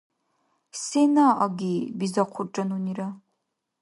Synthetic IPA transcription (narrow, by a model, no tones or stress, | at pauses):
senaʔɐɡʲiːbizɐqʷʰʊrʈ͡ʂʼɐnuniɾɐ